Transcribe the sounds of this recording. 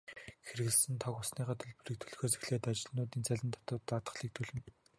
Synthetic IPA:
xeɾɘ̆ɣɘ̆ɮsɘ̆nt̪ʰɔkʊsniːɢaːt̪ʰɵ̆ɮpɘ̆rĭːk̚t̪ʰɵ̥ɮxoːt͡se̥xɮeːt̪at͡ɕɪ̆ɮnʊːt̪iːnt͡sʰæɮʲɪ̆nt̪ʰḁt̪ʊːt̪ːat̪ə̥̆χɮiːk̚t̪ʰɵɮɘ̆n

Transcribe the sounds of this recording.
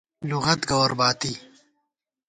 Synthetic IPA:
luɣɐt̪ɡɐwɾbaːt̪i

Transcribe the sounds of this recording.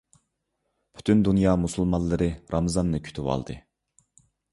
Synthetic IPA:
pʰy̥t̪ʰynd̪unjɑːmusulˠmɑnlˠːɨɾɨɾɑmzɑnːɨkʲʰy̥t̪ʰywɑ̰lˠd̪ɨ̰

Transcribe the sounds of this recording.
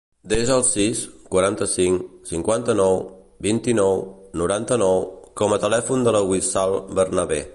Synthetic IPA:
d̪ezəlˠsiskwəɾant̪əsiŋsiŋkwant̪ənɔw | bint̪inɔwnuɾant̪ənɔwkɔmət̪əlɛfund̪ələɣwisalˠbərnəβe

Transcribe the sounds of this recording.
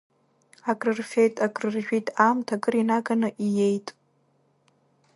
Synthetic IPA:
akʼrɨrfe̞jtʼaɡʼrɨrʒᶣʷitʼamtʰaɡʼɨrinaɡanɨʔije̞jtʼ

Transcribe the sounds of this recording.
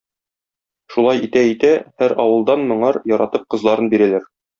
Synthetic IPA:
ʃulˠɑjit̪æit̪æhæɾɒwɤ̆lˠd̪ɑnmɤ̆ɴɑɾjɒɾɑt̪ɤp̚qɤ̆zlˠɑɾɤnbiɾælæɾ

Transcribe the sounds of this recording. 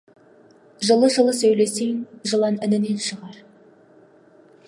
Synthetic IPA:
ʒəlˠəʒəlˠəsɵjleseŋʒəlˠɑnɪnɪne̞nʃəʁɑɾ

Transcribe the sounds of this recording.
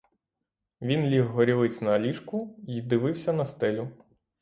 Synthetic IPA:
ʋʲinlʲiɦɦɔɾʲiʋɪt͡sʲnɐɐlʲiʃkʊid̪ɪʋɪwsʲɐnɐst̪ɛlʲʊ

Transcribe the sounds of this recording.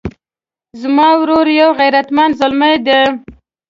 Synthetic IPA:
zmɑwɾoɾjawɣajɾat̪mand̪zʊlməjd̪e

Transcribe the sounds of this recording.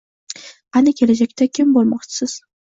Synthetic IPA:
anɪkʲʰe̞lad͡ʒak̚ʲt̪akʲʰɪmbolˠmɒqt͡ʃʰɪ̥sɪz̥

